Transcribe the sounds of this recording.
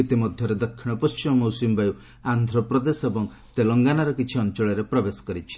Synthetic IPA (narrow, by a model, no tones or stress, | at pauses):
it̪imɔd̪ʱjɔɾed̪ɔkʰːiɽ̃ɔpɔst͡ʃimɔmowsimbaju | and̪ʱɾɔpɾɔd̪esebɔŋ | t̪elɔŋɡanaɾɔkit͡ʃʰiɔnt͡ʃɔɭeɾepɾɔbesɔ̥kɔɾit͡ʃʰi̥